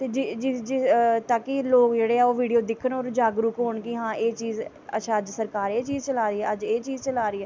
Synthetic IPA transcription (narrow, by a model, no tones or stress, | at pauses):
t̪eːd͡ʒid͡ʒɪd͡ʒɪt̪aːkiloːkd͡ʒeːɽeːɛːoːʋiːɖijoːd̪ɪkʰənoːɾd͡ʒaːɡɾʊkɦoːɳkɪɦãːʔeːt͡ʃiːz | ə̰tːʃʰaːəd͡ʒsəɾkaːɾeːt͡ʃiːzt͡ʃəlaːɾəiːɛːəd͡ʒeːt͡ʃiːzt͡ʃəlaːɾəiːɦɛː